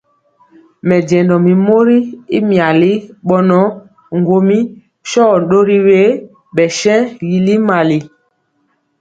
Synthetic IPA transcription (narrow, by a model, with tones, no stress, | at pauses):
mɛ˨d͡ʒɛ˨ndɔ˨mi˨mo˦ɾi˦i˦mja˨li˦ɓɔ˦nɔ˨˦ | ŋ˨ɡo˨mi˦ | ʃɔ˦˨ɗo˦ɾi˦we˦ | ɓɛ˨ʃɛ̃˦ji˨li˦ma˨li˨